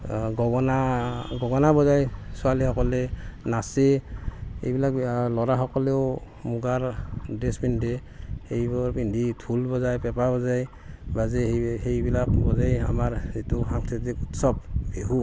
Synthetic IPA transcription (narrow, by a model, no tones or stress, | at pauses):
ɡɔɡɔnaɡɔɡɔnabɔzajsualihɔkɔlɛnase | ḛjbilak̚lɔɾaɦɔkɔlɛʊ | muɡaɹdɛspindɛ | hejbɔɹpinditʰulbɔzajpɛpabɔzaj | bazɛhejbilak̚bɔzaja̰maɹzituxaŋtʰitikutsɔb̚beɦu